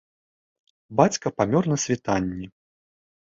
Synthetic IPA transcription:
bat͡sʲkɐpamʲɔrnɐsʲvʲit̪anʲːɛ

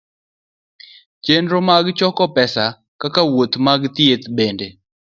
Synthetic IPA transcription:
t͡ʃendɾomaɡt͡ʃɔkɔpɛsa | kakawot̪maɡt̪iet̪bende

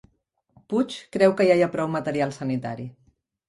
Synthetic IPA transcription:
put͡ʃkɾɛwkəjajapɾɔwmət̪əɾialˠsənit̪a̰ɾi

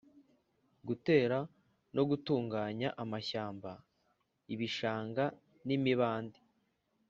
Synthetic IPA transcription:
ɡute̞ːɾa | no̞ɡutuːŋɡaːɲaʔamaçaːmba | iβiʃaːŋɡa | nimiβaːndi

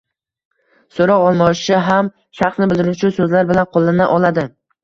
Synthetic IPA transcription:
soɾɒwɒlˠmɒɪʃɪɦam | ʃɑχsnɪbɪld̪ɪɾʊt͡ʃʰʊsɵzlaɾbɪlanqʰolˠːanaʔɒlˠad̪ɪ

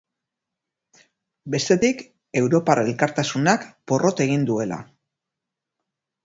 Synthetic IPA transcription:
be̞st̪e̞t̪ik | e̞wɾo̞paɾe̞lkaɾt̪asunakpo̞rʔo̞t̪e̞ɣind̪ue̞la̰

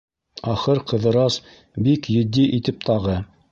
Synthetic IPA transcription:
ɑχɤɾqɤ̆ðɤ̆ɾɑs | bikjɵ̆d̪ːiʔit̪ɘp̚t̪ɑʁɤ

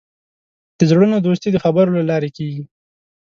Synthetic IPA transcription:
d̪̥əzɽənod̪ost̪id̪əxabəɾolalɑɾekeɡi

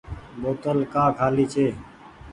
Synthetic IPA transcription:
boːt̪əlkaːkʰaːliːt͡ʃʰeː

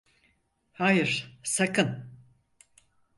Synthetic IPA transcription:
haːjɯɾ̥sakʰɯn

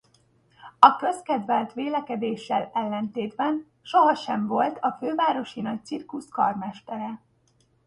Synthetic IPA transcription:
ɒkø̞skɛd̪vɛlt̪ʋeːlɛkɛd̪eːʃːɛlɛlːɛnt̪eːd̪bɛn | ʃo̞ɦɒʃɛɱvo̞lt̪ʰɒføːvaːɾo̞ʃinɒc̚t̪sirkuskɒrmɛʃt̪ɛɾɛ

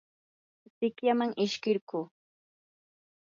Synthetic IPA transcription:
sɪkjamaŋɪʃkɪɾkuː

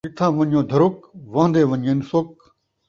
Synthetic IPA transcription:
ɪt̪ʰãːʋɐ̃ɲõːd̪ʱɐɾʊkʋãːnd̪eːʋəɲẽːnsʊk̚

